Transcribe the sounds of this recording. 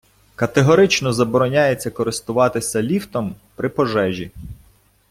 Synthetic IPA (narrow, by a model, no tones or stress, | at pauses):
kɐt̪eɦɔɾɪt͡ʃnɔzɐbɔɾɔnʲajet͡sʲːɐkɔɾɪst̪ʊʋɑt̪ɪsʲɐlʲift̪ɔm | pɾʔɪpɔʒɛʒʲi